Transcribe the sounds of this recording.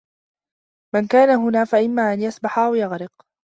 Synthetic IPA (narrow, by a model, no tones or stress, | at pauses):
mankaːnaɦʊnaːfaʔɪmːaːʔanjasbaħaʔawjaɣɾɪq